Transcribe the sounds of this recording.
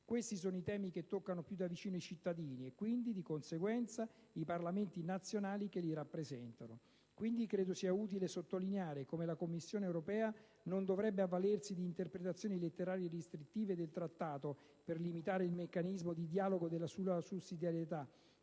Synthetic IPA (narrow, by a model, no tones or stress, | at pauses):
kwest̪isoːnoit̪ɛːmik̟et̪ːokːanopjud̪avit͡ʃiːnoit͡ʃit̪ːad̪iːniekːwind̪id̪ikonseɡwɛnt̪sa | iparlament̪inat̪sːjonaːlikelːiɾapːɾezɛnt̪ano | kwind̪ikɾeːd̪osiːauːt̪ilesot̪ːolineaːɾekomelakomːisːjoːneːwɾopɛːa | nond̪ovɾɛbːeavːalersid̪iːnt̪erpɾet̪at̪sːjoːnilet̪ːeɾaːɾierist̪ɾit̪ːiːved̪elt̪ɾat̪ːaːt̪o | perlimit̪aːɾeilmekːanizmod̪id̪jaːloɡod̪elːasulasusːid̪jaɾjet̪a